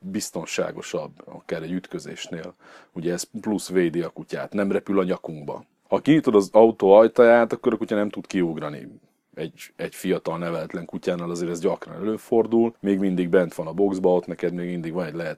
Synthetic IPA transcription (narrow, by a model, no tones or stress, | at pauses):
bist̪o̞nʃa̰ːɡo̞̰ʃɒbːɒ̰kaːɾɛɟːyt̪kø̞zḛːʃneːl | uɟɛːsplusveːd̪eɒkuca̰ːt̪nɛmrɛpylɒɲɒkuŋɡbɒ̰ | hɒkiɲit̪o̞d̪ɒzɒut̪oɒjt̪ɒjaːt̪ɒkːo̞ɾɒkucɒnɛmt̪ut̪kiuɡrɒnḭ | ɛɟɛɟfijɒt̪ɒlnɛvɛlɛt̪lɛŋkucaːnaːlɒzeːɾɛzɟɒkrɒnɛløːfo̞rd̪ulmeːɡmind̪iɡbɛnt̪ʋɒnɒbo̞ɡzbɒo̞t̪nɛkɛd̪meːɡmind̪iɡʋɒnɛɟlɛɦɛt̪